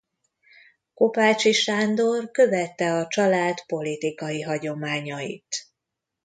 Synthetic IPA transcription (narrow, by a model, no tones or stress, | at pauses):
ko̞paːt͡ʃiʃaːnd̪orkø̞vɛt̪ːɛɒt͡ʃɒlaːt̪po̞lit̪ikɒjiɦɒɟo̞maːɲɒjḭt̪